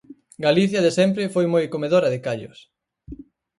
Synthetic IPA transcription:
ɡaliθjɐðesɛmpɾɪfojmojkomeðoɾɐðɪkaʎʊ̰s

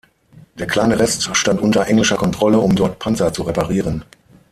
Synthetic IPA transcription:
d̥eːɐkʰl̥aɪnəʁɛstʃtantʔʊntɐʔɛŋlɪʃɐkʰɔntʁ̥ɔləʊmdɔɐtpʰant͡sɐt͡suʁepaʁiːʁən

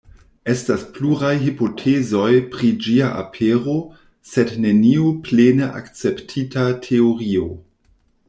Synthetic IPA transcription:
e̞staspluɾajɦipo̞tʰezo̞jpɾid͡ʒiaʔa̰pʰeɾo̞ | sedne̞niuplenəʔa̰kt͡se̞ptʰitatʰeoɾio

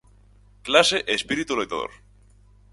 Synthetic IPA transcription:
klaseʔespiɾit̪ulejt̪aðo̰ɾ

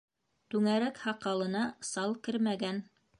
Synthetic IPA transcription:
t̪ʉŋæɾækhɑqɑlˠɤ̆nɑsɑlˠkɘɾmæɡæn

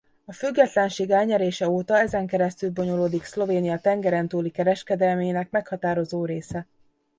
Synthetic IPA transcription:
ɒfyɡːɛt̪lɛnʃeːɡɛːlɲɛɾeːʃɛoːt̪ɒɛzɛŋkɛɾɛst̪ylbo̞ɲo̞loːd̪ikslo̞veːnijɒt̪ɛŋɡɛɾɛnt̪uːlikɛɾɛʃkɛd̪ɛlmeːnɛkmɛkhɒt̪aːɾo̞zoːɾeːsɛ

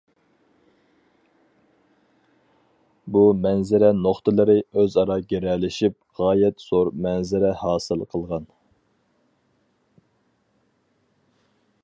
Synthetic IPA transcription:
bumɛnzɪɾɛnoχt̪ʰɨlˠɨɾɪøzɑɾɑɡʲɛɾɛlɪʃip̚ʁɑːjɛt̪soɾmɛnzɪɾɛhɑːsɨlˠqʰəlˠʁɑn

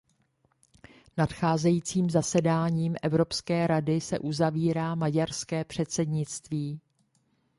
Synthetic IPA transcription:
natxaːzɛjiːt͡siːmzasɛdaːɲiːmʔɛvɾo̞pskɛːɾadɪsɛ̰ʔuzaviːɾaːmaɟaɾskɛːpr̥ɛt̪sɛdɲɪt͡st̪viː

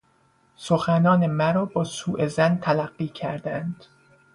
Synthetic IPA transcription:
soxænɒːnemæɾɒːbɒːsuːʔezænt̪ʰælæɢːiːcʰæɾd̪ænd̪̥

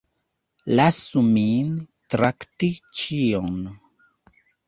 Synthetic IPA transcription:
lasumintɾaktit͡ʃion

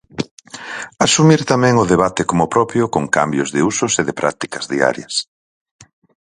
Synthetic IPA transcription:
asumiɾt̪amɛ̃ŋʊðeβat̪ɪkomʊpɾɔpjʊkoŋka̰mbjʊzðɪusʊseðɪpɾʔa̰k̚t̪i̥kɐzðia̰ɾjɐs

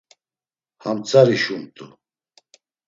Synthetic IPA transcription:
hamt͡sʼaɾiʃumt̪ʼu

